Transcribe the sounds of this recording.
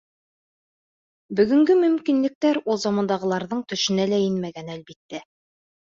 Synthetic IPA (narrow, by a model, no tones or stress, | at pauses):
bɵ̆ɡɵ̆ŋɡɵmɵ̆mkinlɘ̆k̚t̪æɾulˠzɑmɑnd̪ɑʁɤ̆lˠɑɾðɤɴt̪ɵ̆ʃɘ̆nælæjɘnmæɡænælβit̪ːæ